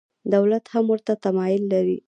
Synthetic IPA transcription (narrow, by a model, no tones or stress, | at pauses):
d̪awlat̪hamwəɾt̪at̪amɑjɪlːaɾi